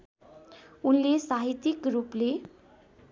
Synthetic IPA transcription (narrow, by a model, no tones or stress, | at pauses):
unlesaɦit̪ikɾuple